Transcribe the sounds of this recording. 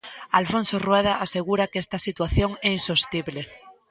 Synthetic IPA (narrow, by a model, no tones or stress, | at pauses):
alfõnsorweð̞aʔaseɣ̞uɾakest̪asit̪waθjoŋɛinsost̪iβle